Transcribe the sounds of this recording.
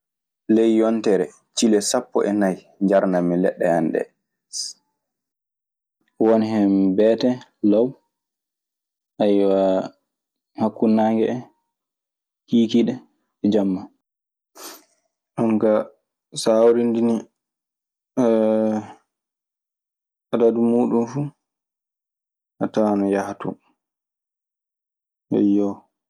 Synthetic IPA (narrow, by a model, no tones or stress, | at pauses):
lejːɔntɛɾɛ | t͡ʃilɛsapːɔ̰ʔɛnaj | ɲd͡ʒaɾnamilɛɗːɛhandɛ̰ | wɔnhɛmbɛtɛlaw | ʔajwa | hakːunːaːŋɡɛɛ | kiːkiɗɛ | ɛd͡ʒamːa | ʔaŋka | saːwɾindini | ʔadadumuːɗumfu | ʔataːnɔjahtu | hɛ̰jɔ